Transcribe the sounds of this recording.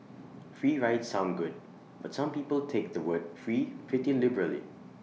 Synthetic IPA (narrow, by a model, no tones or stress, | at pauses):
fɹiːɹaɪtsãʊ̃nɡʊd̚ | batsãmpiːpəltʰek̚dəwəd̚fɹiːfɪtɪ̃nlɪbəɹəlḭ